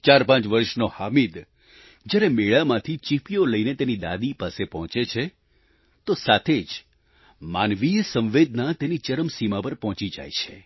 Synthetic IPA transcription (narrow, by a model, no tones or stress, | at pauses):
t͡ʃaɾpãt͡ʃʋəɾʃnohamid̪ | d͡ʒjaɾemeɭamãt̪ʰit͡ʃipijoləinet̪enid̪a̰d̪ipasepɔɦɔ̃t͡ʃet͡ʃʰe | t̪osat̪ʰed͡ʒ | manʋijsə̃ʋʋed̪nat̪enit͡ʃəɾəmsimapəɾpɔɦɔ̃t͡ʃid͡ʒa̰jt͡ʃʰe